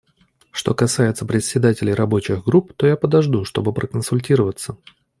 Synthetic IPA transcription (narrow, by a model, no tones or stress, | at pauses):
ʂt̪o̞kɐsajɪt̪səpɾʲɪt̪sʲɪd̪atʲɪlʲɪjɾɐbo̞t͡ɕɪɣɡɾup̚t̪o̞japəd̪ɐʐd̪uʂt̪o̞̰bɨpɾəkənsʊlʲtʲiɾəvət̪sːə